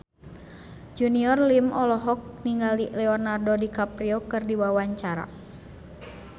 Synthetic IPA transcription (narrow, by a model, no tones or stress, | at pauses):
d͡ʒuniɔrlimɔlɔɦɔk̚niŋɡalilɛɔnardodikapɾiɔkɨrdiwawaɲt͡ʃaɾa̰